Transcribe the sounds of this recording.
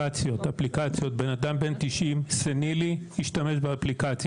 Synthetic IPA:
at͡sjo̞t̪aplikat͡sjo̞t̪̚be̞nad̪ambe̞nt̪iʃʔimseniliiʃt̪ame̞ʃbeaplikat͡s

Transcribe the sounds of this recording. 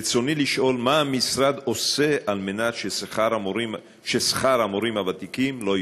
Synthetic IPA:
t͡so̞niliʃʔo̞lmaːmisɾad̪o̞se̞ʔalmenat̪ʃesaɾoi | ʃesχaɾamoɾimhavat̪ikimlo̞

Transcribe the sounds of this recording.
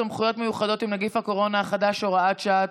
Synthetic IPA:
amχujo̞t̪mejuχado̞t̪imnaɡifhako̞ʁo̞naːχadaʃoʁaat̪ʃaat

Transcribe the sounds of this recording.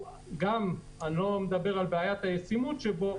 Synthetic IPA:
ɡam | anomed̪abe̞ʁalbeajat̪hajesimutʃebo

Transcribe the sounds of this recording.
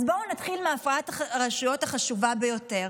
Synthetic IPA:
zbo̞nat̪χilmeafaatʁaʃujo̞taχaʃuvabejo̞te̞ʁ

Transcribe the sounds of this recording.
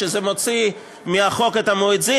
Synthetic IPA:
ezemo̞t͡si | miaχo̞ket̪amoit͡si

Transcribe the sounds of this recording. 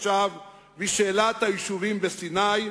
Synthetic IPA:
ʃavː | iʃeːlat̪hajiʃuvimbesinaj

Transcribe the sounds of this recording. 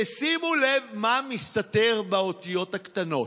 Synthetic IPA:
esimulevmamist̪ateʁbeot̪ijo̞thakt̪ano̞

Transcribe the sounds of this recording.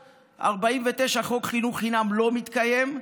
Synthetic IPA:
ʔa̰ʁbaimve̞t̪e̞ʃaχo̞kχinuχχinamlo̞mit̪kaje̞m

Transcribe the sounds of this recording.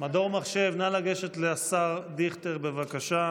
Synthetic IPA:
mad̪o̞ʁmaχʃe̞vnalaɡe̞ʃet̪leasaʁd̪iχt̪eʁbevakaʃa

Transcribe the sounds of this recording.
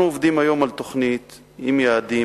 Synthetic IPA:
uovd̪imajo̞malt̪oχnit̪ | imjaad̪i

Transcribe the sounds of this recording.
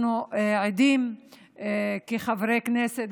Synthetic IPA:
nuʕid̪im | keχavɾekneset̪

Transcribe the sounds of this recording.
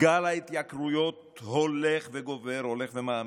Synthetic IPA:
alait̪jakɾujo̞t̪ | holeχveɡo̞veɾhole̞χvemaa

